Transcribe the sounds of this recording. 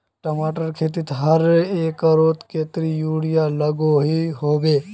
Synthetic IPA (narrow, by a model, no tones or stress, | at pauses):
ʈɐmaːʈəɾkʰeːt̪̬ɪt̪ɦɐɾeːkəɾoːt̪keːt̪ɾijuːɽɪjalɐɡoɦiɦoːbeː